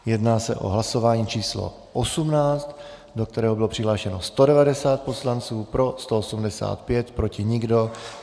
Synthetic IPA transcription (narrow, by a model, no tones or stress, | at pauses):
jɛdnaːsɛ̰ʔo̞̰ɦlaso̞vaːɲiːt͡ʃiːslo̞̰ | ʔosumnaːt͡st̪ | do̞k̚t̪ɛɾɛːɦobɪlo̞pr̝̥ɪɦlaːʃɛno̞st̪o̞dɛvadɛsaːt̪̚po̞slant͡suːpɾo̞st̪o̞osumdɛsa̰ːt̪pjɛt̪pɾo̞cɪɲɪɡdo̞